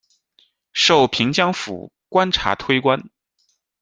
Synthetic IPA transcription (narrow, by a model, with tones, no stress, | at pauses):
ʂo˥˩ʊpʰi˧˥ŋt͡ɕjɑ˥ŋfṵ˨˩ | kwa˥nʈ͡ʂʰa̰˧˥t̪ʰwe˥ɪkwa˥n